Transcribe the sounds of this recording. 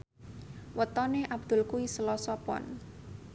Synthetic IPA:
wət̪ɔneʔab̥d̪̥ʊ̤lkuwisəlɔsɔpɔ̰n

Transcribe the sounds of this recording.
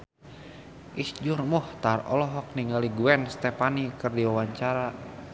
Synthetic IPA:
ʔisd͡ʒurmɔht̪arɔ̰lɔɦɔk̚niŋɡaliɡuɛnst̪ɛpanikɨrdiwawaɲt͡ʃaɾa

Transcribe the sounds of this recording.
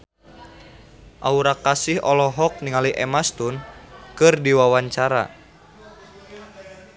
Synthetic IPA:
ʔauɾakasihɔlɔɦɔk̚niŋaliʔɛmast̪unkɨrdiwawaɲt͡ʃaɾa̰

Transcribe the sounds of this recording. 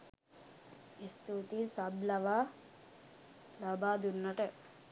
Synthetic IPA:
ist̪ut̪isɐblɐʋa | lɐbʱaːd̪unːɐʈe

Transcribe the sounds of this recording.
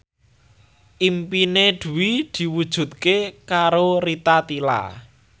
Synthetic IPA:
ʔimpined̪̥ṳwid̪̥i̤wud̥ʒ̥ṳd̪̚kekaɾoɾit̪at̪ila̰

